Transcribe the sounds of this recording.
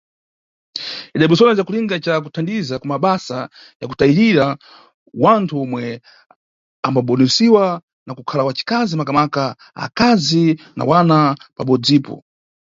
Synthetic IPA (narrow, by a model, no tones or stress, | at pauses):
iɗaiɓusɔnazakuliŋɡat͡ʃakutʰandizakumaɓasa | ja̰kutaiɾiɾa | wantʰuɔmwɛ | ambaɓɔnɛsiwa | nakukʰalawat͡ʃi̥kazimakamaka | a̰kazina̰wanapaɓɔd͡ziːpɔ̰